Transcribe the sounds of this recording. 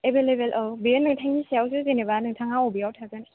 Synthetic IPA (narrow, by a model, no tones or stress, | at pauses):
ebelebelʔɔwbijenːɯŋtʰaŋisijawsuzenebanɯŋtʰaŋaobijawtʰaɡɯni